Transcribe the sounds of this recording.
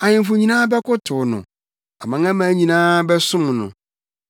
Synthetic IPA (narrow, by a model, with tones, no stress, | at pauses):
a˨ɲɪ̃˨mfʊ˨ɲĩ˨nãː˦bɛ˦kʰʊ˦tʰʊ˨nʊ̰̃˨ | a˨mã˨ŋã˦mã˨˦ɲĩ˨nãː˦bɛ˦sʊ̃˦m˨nʊ̰̃˨